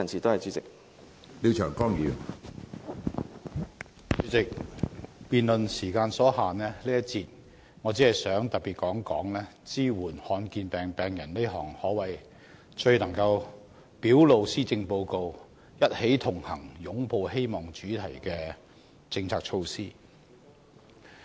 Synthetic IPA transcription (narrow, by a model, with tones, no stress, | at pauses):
ɐ˨nsi˨t̪o˥hɐ˨jt͡ʃyː˨˥t͡sɪ˨k̚ | liː˨˧wt͡ʃʰœː˨˩ŋkɔː˥ŋjiː˨˧˥w | t͡ʃyː˨˥t͡sɪ˨k̚ | piː˨nlɵ˨nsiː˨˩kaː˧nsɔː˨˥haː˨nːɛː˥liː˥jɐ˥t̚t͡sʰiː˧t̚ | ŋɔː˨˧t͡siː˨˥ɐ˨˩jsœː˨˥ŋt̪ɐ˨t̚pi˨t̚kɔː˨˥ŋkɔː˨˥ŋlɛː˥t͡siː˥wuː˨˩nhɔː˧nkiː˧npɛː˨ŋpɛː˨˩ŋjɐ˨˩nle˥ɦɔː˨˩ŋhɔː˨˥wɐ˨j | t͡ʃɵ˧ɥnɐ˨˩ŋkɐ˧w | piː˨˥wlo˨˧wsiː˥t͡sɪ˧ŋpo˧wko˧w | jɐ˥t̚he˨˥jt̪ʰʊ˨˩ŋhɐ˨˩ŋjʊ˨˥ŋpo˧whe˥jmɔː˨˩ŋt͡ʃyː˨˥t̪ʰɐ˨˩jkɛː˧ | t͡sɪ˧ŋt͡sʰaː˧˥k̚t͡ʃʰo˧wsiː˥